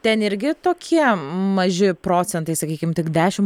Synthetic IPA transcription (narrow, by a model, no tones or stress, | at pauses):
t̪ʲɛnɪɾʲɡʲɪt̪oːkʲʰiɛmɐʒʲɪpɾoːt͡s̪ʲɛnt̪ɐɪsɐkʲiːkʲɪmt̪ʲɪkd̪ʲæːʃʲɪm